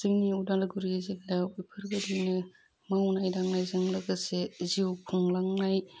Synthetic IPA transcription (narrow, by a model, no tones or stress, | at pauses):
zɯŋniuwdalɡuɾieziklajipʰɯɾɡɯdinɯ | mawnajdaŋnajzɯŋlaɡɐseziwkʰuŋlaŋnaj